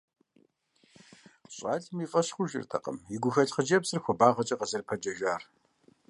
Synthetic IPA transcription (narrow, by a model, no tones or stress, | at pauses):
ɕʼɑːɮmifʼɐɕxʷʊʒɪ̰rtʰɐ̰qə̰mjɪɡʷʊxɐɬʼχəd͡ʒɐpsɨrxʷɔbaːʁɐt͡ʃʼɐqəzɨrpʰɐd͡ʒɐʒaːr